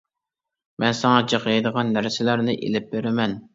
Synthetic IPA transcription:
mɛnsɑŋɑd͡ʒeqjed̪əʁɑnːæɾsɪlæɾnɪʔḛlɪp̚beɾɪmɛn

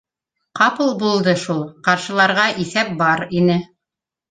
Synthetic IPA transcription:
qɑpɤlˠbulˠd̪ɤʃulˠqɑɾʃɤ̆lˠɑɾʁɑʔiθæp̚bɑɾinɘ

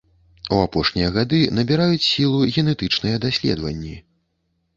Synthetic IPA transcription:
uapɔʂnʲijɐɣad̪ɨnɐbʲiɾajut͡sʲsʲilˠuɣʲɛnɛt̪ɨt͡ʂnɨjɐd̪asʲlʲɛ̰d̪vɐ̰nʲːi

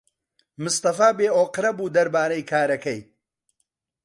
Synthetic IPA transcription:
mʊst̪ɐfaːbeːʔoːqɨɾɐbuːd̪ɐɾbaːɾɐjkʰaːɾɐkɐj

